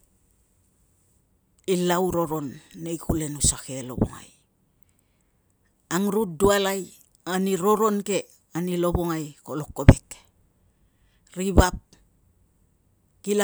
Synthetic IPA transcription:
ilawɾo̞ɾo̞nːe̞jkule̞nusake̞lo̞̰bo̰ŋa̰j | aŋɾut̚dualaj | aniɾo̞ɾo̞nke̞ | anilo̞βoŋajkolo̞kːo̞be̞k | ɾiβap̚ | kila

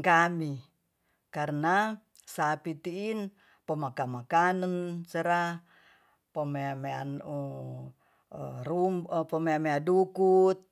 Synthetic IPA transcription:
ŋkami | karna | sapit̪iːn | pəmakamakanənsəɾa | pəmeamea̰nu | ɾumpəmeameadukut̪̚

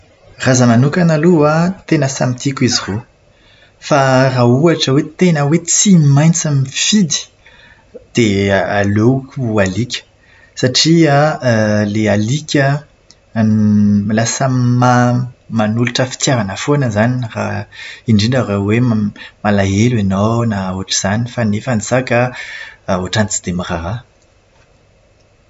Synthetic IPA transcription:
razəmanukʲanaluat̪enəsamit̪ʰikʲuiziro | farauaʈ͡ʂəwet̪enəwet͡simajnt͡samifid̪i̥ | d̪̥ealokʲualikʲə̥ | saʈ͡ʂia | lealikʲə | milasəmamanuluʈ͡ʂəfi̥t̪jaɾanəfonəzaniraiɳɖ͡ʐiɳɖ͡ʐaɾewemalaelenawnauaʈ͡ʂiz̥anifanefanisaka | oaʈ͡ʂanit͡si̥d̪emiraɾa

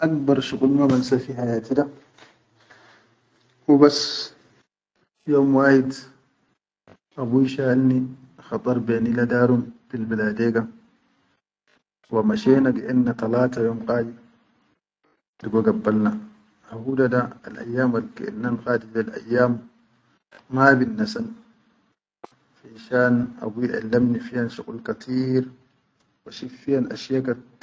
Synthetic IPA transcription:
ʔak̚bɑɾˤʃukʼulmamansafihajaːt̪ida | wubas | joːmwaːhid̪ | ʔabujʃaːlni | xɑt̪ˤɑɾˤbenilad̪aːɾumfilbilaːdeːɡa | wamaʃeːnaɡɛʔenːat̪alaːt̪ajoːmqaːdi | diɡoɡabːalna | ahuːdadaa̰lʔa̰jːaːmalɡɛ̰ʔɛ̰nːanxaːdid͡ʒalʔa̰jːaːm | abinːasan | finʃaːna̰wiʔa̰lːamnifihanʃukʼulkat̪ʰiːɾ | waʃifijanʔa̰ʃjaka

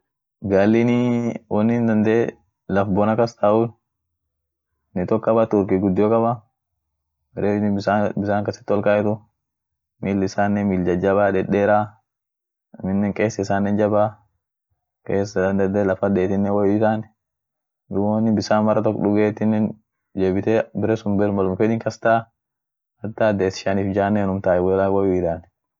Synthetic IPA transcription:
ɡalːɪnɪwɔnːɪnd̪ɐnd̪eː | lɐfbɔnɐkɐst̪aːʔʊ | nɪt̪ɔkːɐbɐt̪ʊɾkɪɡʊd̪ːɪjɔkʼɐbɐ | mɛɾeːnɪbɪsaːŋkɐsɪ̥t̪ːɔlkaʔɛt̪ʊ | miːlːɪsaːnːɛmild͡ʒɐd͡ʒɐbaːᶑ̪ɛᶑeːɾaː | mɪnːɛŋkʼeːsːɐɪsaːnːɛnd͡ʒɐba | keːs̬ːɐd̪ɐnd̪ɐd̪ɛlɐfɐdeːt̪ːɪnːɛwɐjɪt̪aːnɛ | jʊwoːnːɪbɪsaːnmɐɾɐt̪ɔkːᶑʊɡeːt̪ːɪnːɛn | d͡ʒeːbɪt̪ebɪɾɛsʊmbɛɾmɐlʊmfɛd̪ɪŋkɐst̪aː | ɐt̪ːaːd̪eːsɪ̥ʃaniːfd͡ʒaːnːɛnʊmt̪aːʔɛwɔɛlawɐwɪɪd̪aːnɛ

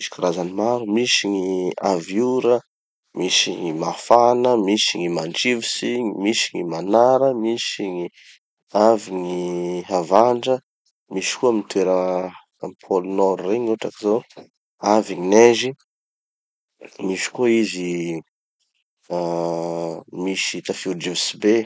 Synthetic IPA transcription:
misi̥kaɾazanimaɾumisiɲia̰vjuɾə | misiŋimafanəmisiŋimanɖ͡ʐivisiɲimisiŋimanaɾəmisiŋi | aviŋiɦavaɳɖ͡ʐə | miʃi̥kuamit̪ʰweɾə | mpʰolunɔɾureɲuʈ͡ʂakizo | aviɲinezi | miʃi̥kuizi | miʃit̪afuɾd͡ʒivsibe

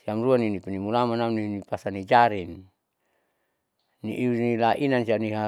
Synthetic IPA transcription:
siamruaninipinimulamanamninipasanid͡ʒaɾin | nḭʔiunilaʔinansianiɦa

